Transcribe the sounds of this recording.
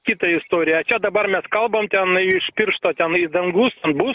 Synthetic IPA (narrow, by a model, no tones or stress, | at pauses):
kʲit̪ɐɪst̪oɾʲɪjɐɐt͡ɕad̪ɐbarmʲaskɑlˠbɐmt̪ʲanɨiʂpʲirʂt̪ot̪ʲanɨɪd̪ɐnɡusɐnbu